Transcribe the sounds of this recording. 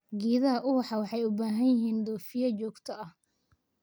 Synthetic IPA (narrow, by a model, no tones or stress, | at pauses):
ɡiːðɐʔʊwɑħɑwɑħɑjʊbaːɦɐnjɪɦiːnd̪ɔːfɪjɐt͡ʃɔːɡt̪ʰɐʔɐh